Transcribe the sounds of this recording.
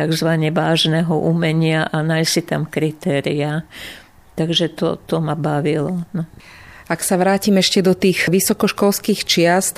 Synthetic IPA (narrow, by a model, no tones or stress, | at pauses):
t̪aɡzʋaɲɛʋaːʒnɛɦɔʔumɛɲɪaʔanajsit̪amkɾit̪ɛːɾia | t̪aɡʒɛt̪ɔ̰t̪ɔmabaʋilɔnɔ | aksaʋɾaːcimɛʃcɛd̪ɔt̪iːxʋisɔkɔʃkɔlskiːxt͡ʃɪast̪